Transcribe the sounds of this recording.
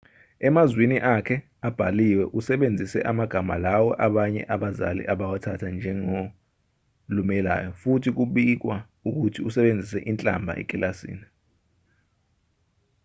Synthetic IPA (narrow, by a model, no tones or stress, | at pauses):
ɛmazwiniʔakʰɛ | ab̥ʱaliwɛʔusɛɓend͡zʱisɛ̰ʔamaɡ̥ʱama̰lawɔʔaɓaɲɛ̰ʔaɓaza̰lḭʔaɓawatʰatʰand͡ʒʱɛŋo | lumɛla̰ːjɔfutʰik̬uɓik̬wa | uk̬utʰiusɛɓend͡zʱisɛʔint͡ɬʼa̰mbʱa̰ʔɛ̰kʼilasḭːni